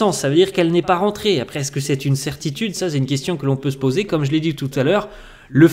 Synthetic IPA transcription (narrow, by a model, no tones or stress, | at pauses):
ɑ̃sːavød̪iʁkɛlnɛpaʁɑ̃t̪χeapχɛɛskəsɛt̪ynsɛʁt̪it̪yd̪sasɛt̪ynkʲɛst̪jɔ̃kəlɔ̃pøsə̥pozekɔmʒəled̪it̪ut̪alœːʁ | lə